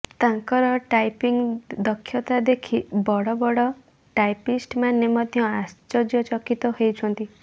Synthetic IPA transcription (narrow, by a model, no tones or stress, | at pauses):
t̪ãŋkɔɾɔʈajpiŋd̪ɔkʰːjɔt̪ad̪ekʰibɔɽɔbɔɽɔ | ʈajpisʈmanːemɔd̪ʱjɔast͡ʃɔd͡ʒjɔt͡ʃɔkit̪ɔɦejt͡ʃʰɔnt̪i